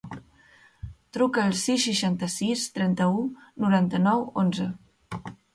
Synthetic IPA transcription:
t̪ɾukəːlˠsisːiʃant̪əsist̪ɾɛnt̪əunuɾant̪ənɔwonzə

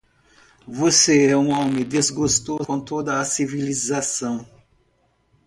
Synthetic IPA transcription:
voseɛũõmẽd̪ezɡost̪okõt̪od̪ɐːsivilizasɐ̃w̃

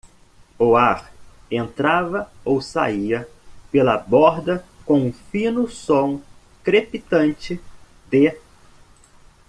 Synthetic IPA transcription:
oaɾ | ẽnt̪ɾavɐowsa̰iɐpelɐbɔɾd̪ɐkõũfĩnʊsõw̃ | kɾepit̪ɐ̃nt͡ʃɪ | d̪e

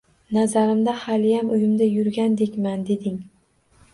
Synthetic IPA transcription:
nazaɾɪmd̪ahalɪjamʊjɪmd̪ajʊɾɡʲand̪ekʲmand̪e̞d̪ɪŋ

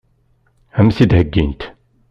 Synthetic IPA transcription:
æmθid̪həɡːint̪

